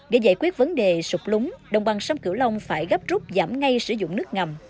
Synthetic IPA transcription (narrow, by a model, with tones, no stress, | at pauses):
ɣə˧˩jzaː˧˩jkwi˦˥ət̚və˨˦nɗe˨˩sʊ˨˩k͡p̚lʊ˨˦ŋ͡mɗə˨˩wŋ͡mɓaː˨˩ŋsaː˧mkɨ˧˩əwlə˧wŋ͡mfaː˧˩jɣə˦˥p̚zʊ˦˥p̚zaː˧˩mŋa˧jsɨ˧˩zʊ̰˧˨ŋ͡mnɨ˦˥ək̚ŋa˨˩m